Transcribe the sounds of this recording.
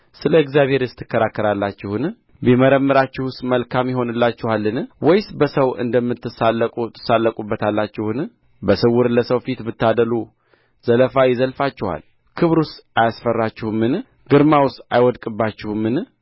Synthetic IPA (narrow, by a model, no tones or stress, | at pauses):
sɨləɨɡzijaβhe̞ɾɪst̪ʰːɨ̥kːəɾakːəɾalːat͡ʃːɪhun | biməɾəmːɨɾat͡ʃːɪhʊst̪məlkʰamjɪɦo̞nɨlːat͡ʃːɪhalːɨnwɔjsbəsəwɨ̰nd̪əmːɨt̪ːɨsat̪ʰːɨ̥salːəkʼubːət̪ʰalːat͡ʃːɪhɨn | bəsɨwːʊɾləsəwfit̪bɨt̪ːad̪əlu | z̥ələfajɪzəlfat͡ʃːɪha̰l | kʰɨβɾust̪ajasfərːat͡ʃːɪhmɨn | ɡɨɾmawʊst̪a̰jwɔd̪kʼɨbːat͡ʃːɪhumːɨn